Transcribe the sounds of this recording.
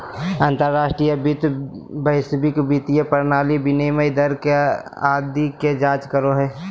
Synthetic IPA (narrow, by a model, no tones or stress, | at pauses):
ãːnt̪əɾːaːsʈɾijəbit̪bəɪsbɪkbit̪ijəpəɾnaːlibɪneməjd̪əɾkead̪iked͡ʒaːt͡ʃkəɾoɦɛː